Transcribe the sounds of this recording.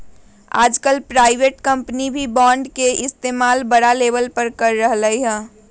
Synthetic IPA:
a̰ːd͡ʒkəlpɾaːɪʋeːʈkɐ̃mpnibʱibɔːɳɖkeʔɪst̪eːmaːlbəɽaleːbəlpəɾkəɾːəɦləiɦɛ̃ː

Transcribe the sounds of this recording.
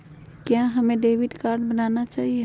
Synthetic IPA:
kjãɦəmẽɖeʋiɖkaɾɖbənanat͡ʃaɦie

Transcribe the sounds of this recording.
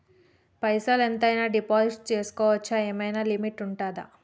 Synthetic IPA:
pɐjsaːlent̪ɐjnaːɖipaːziʈt͡ʃe̞ːsu̥kɔːʋɐt͡ʃːaeːmɐjnaːlimiʈuɳʈaːd̪a̰

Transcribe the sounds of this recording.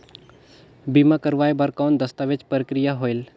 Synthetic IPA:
bimakəɾʋaːjbaɾkaːnd̪əst̪aʋet͡ʃpəɾəkɾɪjaɦoːɪl

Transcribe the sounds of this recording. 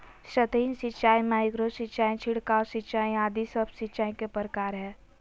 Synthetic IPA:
ʃət̪iːnsɪtːt͡ʃaːimaːɪɡɾosɪtːt͡ʃaːĩt͡ʃʰɪɽkaɔsɪtːt͡ʃaːĩaːd̪isəbsɪtːt͡ʃaːĩkepəɾkaːɾɦɛː

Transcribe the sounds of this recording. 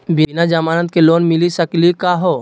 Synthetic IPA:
binad͡ʒəmaːnət̪̚keloːnmɪlisəklikaɦoː

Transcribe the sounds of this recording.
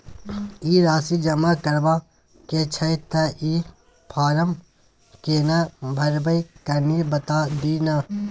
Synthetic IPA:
iːɾaːsid͡ʒɐmakɐɾbaː | ket͡ʃʰɐt̪ʰːɐʔiː | pʰaːɾɐm | keːnabʱɐɾbɐjkɐɾniːbɐt̪aːd̪inaː

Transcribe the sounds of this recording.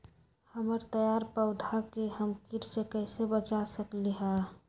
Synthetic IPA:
həməɾt̪əjaɾpəʊd̪ʱakeɦəmkiɾsekəɪsebət͡ʃasəkliɦa

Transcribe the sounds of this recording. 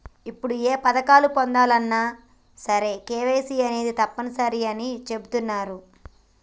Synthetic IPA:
ipːuɽueːpɐd̪ɐkaːlupond̪aːlɐnːaː | sɐɾekeːʋeːsiɐne̞ːd̪it̪ɐpːɐnɐsɐɾiɐnit͡ʃe̞but̪unːaːɾu

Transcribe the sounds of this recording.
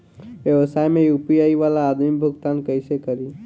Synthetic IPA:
ʋjɛʋəsaːjmẽjupijaiʋalaːd̪mibʱʊɡt̪aːnkəɪsekəɾi

